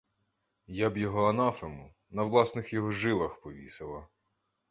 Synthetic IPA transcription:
jabjɔɦɔɐnɑfemʊ | nɐwlˠɑsnɪxjɔɦɔʒɪlˠɐxpɔʋʲḭsɪlˠɐ

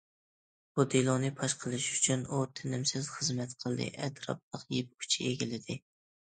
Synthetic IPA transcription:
b̥ud̪elˠɔnɨpʰɑʃqʰəlˠɨʃy̥t͡ʃʰynut̪ʰɪnɪmsɪz̥χəzmɛt̪qʰəlˠd̪ɨ̰ʔɛd̪ɾɑ̰p̚lˠəqjep̚kʲʰy̥t͡ʃʰieɡʲilɪd̪ɪ

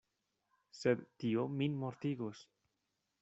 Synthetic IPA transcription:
sed̪ːiominmoɾt̪iɣos

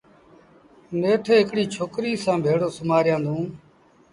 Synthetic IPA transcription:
neːʈʰeːɦɪkɽiːt͡ʃʰoːkɾiːsãːbʱeːɽoːsʊmaːɾjãːnd̪ʱũː

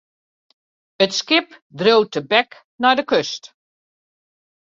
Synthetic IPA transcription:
ətskɪpdrowtəbɛk | nɔjdəkøst

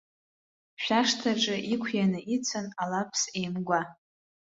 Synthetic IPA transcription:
ʃʷᶣaʂtʰaʈ͡ʂʼɨʔikʷʰjanɨit͡sʰanalapʰsejmɡʷa

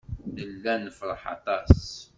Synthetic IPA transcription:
nəlːænəfɾˤəħɑ̰t̪ˤɑs

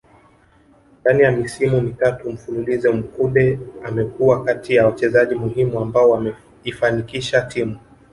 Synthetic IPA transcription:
ndanijamisimunitatum̩funulizɛm̩kuɗɛamɛkuwakatijawat͡ʃɛzaʄimuhimuambaɔwaɛ | ifanikiʃatimu

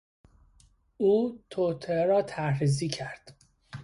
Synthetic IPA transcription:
uːt̪ʰot̪ʰeeɾɒːt̪ʰæɾɾiziːcʰæɾd̪̥

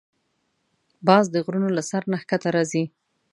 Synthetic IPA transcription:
bɑzd̪əɣɾunolasaɾnaxkat̪aɾɑzi

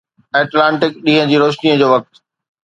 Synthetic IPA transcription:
ɛːʈlãːɳʈɪkɗĩɦə̃d͡ʑiːɾoːʃniːə̃d͡ʑoːʋɐk̚t̪

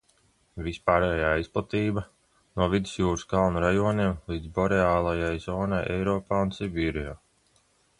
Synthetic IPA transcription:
vispaːɾɛːjaːisplˠat̪iːba | nuɔvid̪isjuːɾuskalˠnuɾajuɔniɛmlˠiːd̪zbɔɾɛaːlˠajajzɔːnajɛ̰jɾɔːpaːunsibʲiːɾijaː

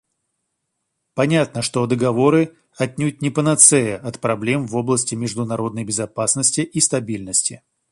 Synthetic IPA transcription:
pɐnʲat̪nəʂt̪o̞d̪əɡɐvo̞ɾɨ | ɐt̪ʲnʲut̪̚ʲnʲɪpənɐt̪sɛjəɐt̪pɾɐblʲe̞mvo̞blˠəsʲtʲɪmʲɪʐd̪ʊnɐɾo̞d̪nəjbʲɪzɐpasnəsʲtʲɪʔist̪ɐbʲilʲnəsʲtʲɪ

